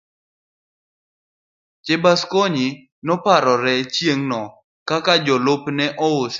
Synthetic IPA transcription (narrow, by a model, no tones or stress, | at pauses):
t͡ʃebaskoɲi | nɔpaɾɔɾɛt͡ʃjeŋnɔ | kakad͡ʒɔlʊpnɛʔɔʊs